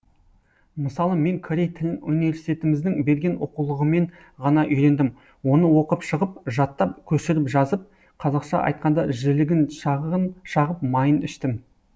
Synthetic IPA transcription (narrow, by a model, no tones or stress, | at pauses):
məsɑlˠəme̞ŋkʰoɾe̞jt̪ʰɪlɪnunijve̞ɾsi̥t̪ʲet̪ɪmɪzd̪ɪŋbe̞ɾɡʲe̞nʔo̰qulˠəʁəme̞ɴ | ʁɑnɑʔʏjɾe̞nd̪ɪm | wo̞nəwo̞qəpʃəʁəp̚ʒɑt̪ːɑp̚kʲʰɵʃɪɾɪpʒɑzəp̚ | qʰɑzɑqʃɑ̰ʔɑ̰jt̪̚qɑnd̪ɑʒɪlɪɡʲɪnnʃɑʁəp̚mɑjənɪʃt̪ɪm